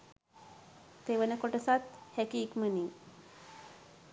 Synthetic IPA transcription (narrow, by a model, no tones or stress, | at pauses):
t̪eʋənəkoʈəsat̪hɛkiːkməniː